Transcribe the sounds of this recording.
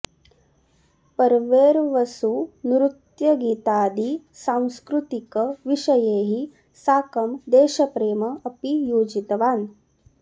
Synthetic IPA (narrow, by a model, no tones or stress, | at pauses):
pɐɾʋeːɾʋɐsunɾut̪jɐɡiːt̪aːd̪i | saːw̃skɾut̪ikɐʋiʃɐjeːɦi | saːkɐmd̪eːʃɐpɾeːmɐːpijoːd͡ʒit̪ɐʋaːn